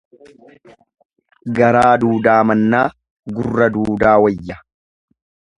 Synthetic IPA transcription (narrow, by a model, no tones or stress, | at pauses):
ɡɐɾaːd̪uːd̪aːmɐnːaː | ɡʊrːɐd̪uːd̪aːwɐjːɐ